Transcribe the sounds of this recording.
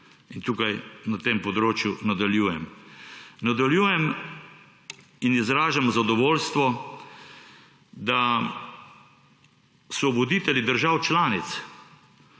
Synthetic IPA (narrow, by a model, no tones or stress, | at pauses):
int̪uːkajnat̪eːmpɔd̪ɾoːt͡ʃjunad̪aljuːjɛm | nad̪aljuːjɛm | inizɾaːʒamzad̪ɔʋoːlst̪ʋɔ | d̪a | sɔʋɔd̪it̪ɛlid̪əɾʒawt͡ʃlaːnit̪s